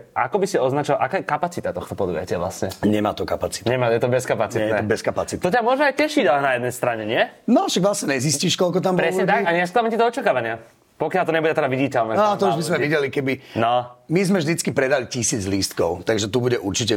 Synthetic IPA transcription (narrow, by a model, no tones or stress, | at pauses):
ʔa̰kɔbisiɔznat͡ʃɔʋalʔakaːjɛkapat͡sit̪at̪ɔxt̪ɔpɔd̪uʋjɛ̰cɪaʋla̰sɲɛɲɛma̰ːt̪ɔkapat͡si̥t̪ɲɛmajɛt̪ɔbɛskapat͡sit̪jɛɛt̪ɔbɛskapatt͡sit̪ɔcamʊɔʒɛajcɛʃiɟlɛnajɛd̪nɛjst̪ɾaɲɛɲɪɛnɔʃaɡʋlasɲɛɲɛzisciːʃkɔlkɔt̪ambpɾɛsɲɛt̪akaɲɛsklamɛɲcit̪ɔɔt͡ʃakaːʋaɲɪa | pɔkɪalt̪ɔɲɛbuɟɛt̪ɛd̪aʋiɟicɛlnɛat̪ɔuʒbizmɛʋiɟɛlikɛbinɔmizmɛvʒd̪it͡skipɾɛd̪alicisiːd͡zliːst̪kɔʊt̪aɡʒɛt̪ubuɟɛʔuɾt͡ʃicɛ